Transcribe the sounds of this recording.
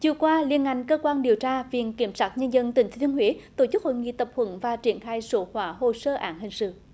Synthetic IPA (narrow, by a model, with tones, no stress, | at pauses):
t͡ɕɨ˨˧˩əkwaː˧li˧ənʔa̰˧˨jŋ̟kəː˧kwaː˧nɗi˨˩əwt͡ɕaː˧vḭ˧˨ənki˧˩əmsaː˦˥t̚ɲə˧nzə˧nt̪ï˨˩ŋ̟t̪ʰe˨˦˩nhwi˧˨˦t̪o˧˩t͡ɕɨ˦˥k̚ho̰˧˨jŋḭ˧˨t̪ə˨˩p̚hwə˧˩˦nvaː˨˩t͡ɕi˧˩ənxaː˧jso˧˨˦hwaː˨˦ɦo˨səː˧ʔaː˨˦nhï˨˩ŋ̟sɨ̰˧˨